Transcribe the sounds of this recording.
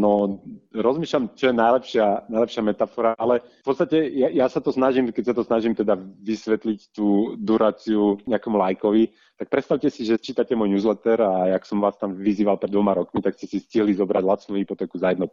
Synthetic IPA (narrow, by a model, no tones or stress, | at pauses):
nɔɾɔzmiːʃlamt͡ʃɔjɛnajlɛpʃɪanajlɛpʃɪamɛt̪afɔɾaʔalɛfpɔt͡st̪acɛjajasat̪ɔsnaʒimkɛcsat̪ɔsnaʒimt̪ɛd̪aʋisʋɛt̪lict̪uːd̪uɾaːt͡siuɲɛakɛmulajkɔʋi | t̪ak̚pɾɛt̪st̪aʊcɛsiʒɛt͡ʃiːt̪acɛmɔjnuːzlɛt̪ɛɾaaksɔmʋaːst̪amʋiziːʋalpɾɛd̪ʋɔmaɾɔkmit̪akscɛsisciɦlizɔbɾaɟlat͡snuːɦipɔt̪ɛːkuzajɛd̪nɔ